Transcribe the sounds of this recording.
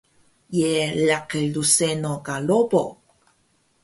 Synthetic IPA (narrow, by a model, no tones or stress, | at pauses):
jelakəlusenokalobo̰